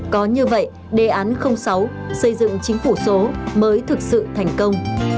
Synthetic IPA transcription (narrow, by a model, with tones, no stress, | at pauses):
kɔ˨˦ɲɨ˧və̰˧˨j | ɗe˨˧˩ʔaː˨˦nxə˧wŋ͡msa˨˦w | sə˧jzɨ̰˧˨ŋt͡ɕï˨˦ŋ̟fu˧˩so˨˦məː˨˦jt̪ʰɨ˨˩k̚sɨ̰˧˨t̪ʰa˨˩jŋ̟kə˧wŋ͡m